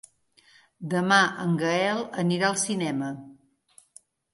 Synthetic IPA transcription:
d̪əmaʔəŋɡəɛlˠəniɾaəlˠsinɛmə

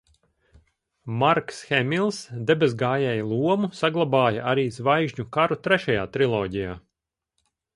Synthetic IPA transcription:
maɾksxɛmʲilˠsd̪ɛbʲɛzɡaːjɛːjlˠuɔmusaɡlˠabaːjɐʔaɾiːzvajʒɲukaɾut̪ɾɛʃajaːt̪ɾilˠɔːɟijaː

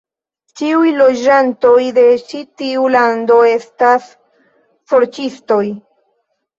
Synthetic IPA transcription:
t͡ʃiujlo̞d͡ʒant̪o̞jd̪e̞t͡ʃit̪iuland̪o̞e̞st̪as | foɾt͡ʃist̪o̞j

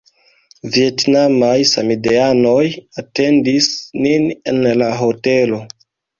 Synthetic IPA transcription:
vietnamajsamideanojate̞ndisninenlaɦote̞lo̞

